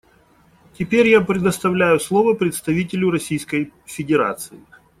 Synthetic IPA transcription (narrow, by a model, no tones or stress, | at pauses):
tʲɪpʲeɾʲjapɾʲɪd̪əst̪ɐvlʲæjʊslˠovəpɾʲɪt̪st̪ɐvʲitʲɪlʲʊɾɐsʲijskəjfʲɪdʲɪɾa̰t̪sɨɪ